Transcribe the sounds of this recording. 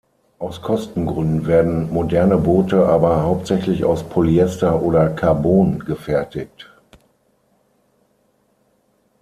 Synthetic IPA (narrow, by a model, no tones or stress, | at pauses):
ʔaʊskʰɔstn̩ɡʁʏndn̩veːɐdn̩modɛɐnəboːtəʔaːbɐhaʊp̚tz̥ɛçlɪça̰ʊspʰoliɛstɐʔoːɾɐkʰaɐboːnɡəfɛɐtɪk̚t